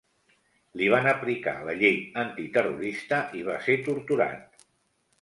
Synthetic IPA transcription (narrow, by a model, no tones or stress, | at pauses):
liβ̞anəplika̰ləʎejənt̪it̪əruɾist̪əʔiβ̞aset̪uɾt̪uɾa̰n